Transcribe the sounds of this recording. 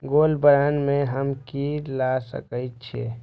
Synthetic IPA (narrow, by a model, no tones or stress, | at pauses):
ɡoːlbəɾanmẽɦəmkilasə̰kət͡ʃʰḛː